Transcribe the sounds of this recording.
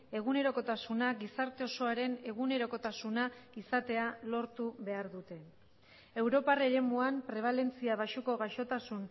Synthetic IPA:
e̞ɣ̞une̞ɾo̞ko̞t̪asunaɡisaɾt̪e̞o̞so̞aɾe̞ne̞ɣ̞une̞ɾo̞ko̞t̪asunaisat̪e̞alo̞ɾt̪uβe̞aɾðut̪e̞ | e̞wɾo̞pareɾe̞muampɾe̞β̞ale̞nt͡siaβ̞aʃuko̞ɣaʃo̞t̪asun

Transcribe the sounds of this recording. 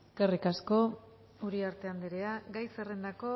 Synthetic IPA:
ekerikasko̞ | uɾiaɾt̪e̞and̪eɾeaɡajsere̞nd̪ako̞

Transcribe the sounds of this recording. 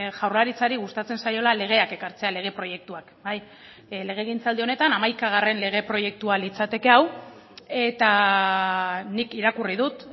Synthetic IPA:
ʝawrlaɾit͡saɾiɣust̪at͡se̞nsajo̞lale̞ɣ̞e̞ake̞kaɾt͡se̞ale̞ɣ̞e̞pɾo̞je̞k̚t̪uakbaj | le̞ɣ̞e̞ɣ̞int͡sald̪io̞ne̞t̪anamajkaɣ̞are̞nle̞ɣ̞e̞pɾo̞je̞k̚t̪ualit͡sat̪e̞ke̞aw | e̞t̪a | nikiɾakurið̞ut̪

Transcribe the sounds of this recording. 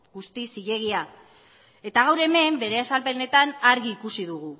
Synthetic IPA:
ɡ̥ust̪isiʎe̞ɣ̞ia | e̞t̪aɣawɾe̞me̞mbe̞ɾe̞asalpe̞ne̞t̪anaɾɣiːkusiðuɣu

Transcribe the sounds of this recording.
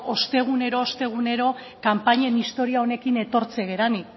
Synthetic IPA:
o̞st̪e̞ɣ̞une̞ɾo̞ːst̪e̞ɣ̞une̞ɾo̞ | kampaɲenist̪o̞ɾiao̞ne̞kine̞t̪o̞ɾt͡seɣ̞e̞ɾani

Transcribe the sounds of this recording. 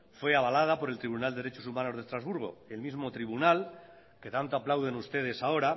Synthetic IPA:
fwe̞aβalaðapo̞ɾelt̪ɾiβ̞unald̪eeɾet͡ʃosumano̞zð̞e̞st̪ɾazβuɾɣ̞o̞̰e̞lmizmo̞t̪ɾiβunal | ke̞t̪ant̪oaplawðe̞nust̪e̞ð̞e̞sao̞ɾa

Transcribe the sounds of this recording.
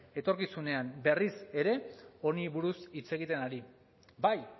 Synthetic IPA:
e̞t̪o̞ɾkisune̞ambe̞rise̞ɾe̞o̞niβuɾusit͡se̞ɣit̪e̞naɾi | baj

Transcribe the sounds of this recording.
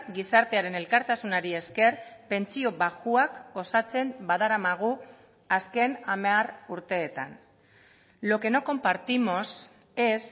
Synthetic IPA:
ɡisaɾt̪e̞aɾe̞ne̞lkaɾt̪asunaɾie̞ske̞rpe̞nt͡sio̞βaɣuakɡo̞sat͡se̞mbaðaɾamaɣ̞u | aske̞namearuɾt̪e̞ːt̪an | lo̞ke̞noko̞mpaɾt̪imo̞s | e̞s

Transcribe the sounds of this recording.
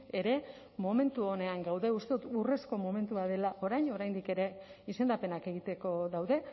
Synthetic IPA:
e̞ɾe̞ | mo̞me̞nt̪uo̞ne̞aŋɡawðe̞ust̪e̞ðut̪ure̞sko̞mo̞me̞nt̪uaðe̞laʔo̞ɾajɲo̞ɾajnd̪ike̞ɾe̞ | ise̞nd̪ape̞nake̞ɣ̞it̪e̞ko̞ðawðe̞

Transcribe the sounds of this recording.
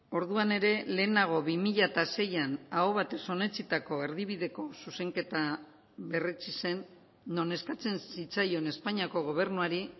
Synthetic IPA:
o̞ɾðuane̞ɾe̞le̞ːnaɣ̞o̞βimiʎat̪ase̞janaoβ̞at̪e̞so̞ne̞t͡sit̪ako̞eɾðiβiðe̞ko̞suse̞ŋke̞t̪a | βe̞ret͡sise̞nː | o̞ne̞skat͡se̞nsit͡sajo̞ne̞spaɲiako̞ɣ̞o̞β̞e̞rnuaɾi

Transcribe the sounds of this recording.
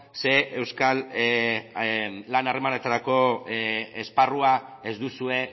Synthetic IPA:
se̞ʔewskal | anare̞manet̪aɾako̞ | esparuae̞zd̪usue̞

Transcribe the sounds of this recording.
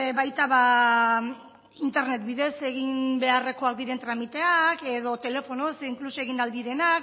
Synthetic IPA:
βajt̪aβa | int̪e̞ɾne̞t̪biðe̞se̞ɣimbe̞are̞ko̞ak̚d̪iɾe̞nt̪ɾamit̪e̞ake̞ð̞o̞t̪e̞le̞fo̞no̞siŋklusoe̞ɣ̞inald̪iɾe̞nak

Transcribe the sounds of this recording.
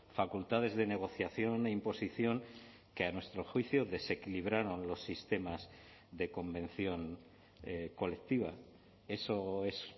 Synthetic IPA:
fakult̪að̞e̞zðe̞ne̞ɣ̞o̞θjaθjo̞ne̞impo̞siθjo̞ŋ | keanwe̞st̪ɾo̞xwiθjoðe̞se̞kiliβ̞ɾaɾo̞nlo̞sːist̪e̞maz | ðe̞ko̞mbẽ̞n̟θjo̞ŋ | ko̞le̞k̚t̪iβ̞a | e̞soe̞s

